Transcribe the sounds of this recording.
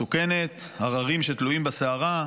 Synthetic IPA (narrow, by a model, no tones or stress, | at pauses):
uke̞ne̞t̪aʁaʁimʃet̪luimbaseaʁa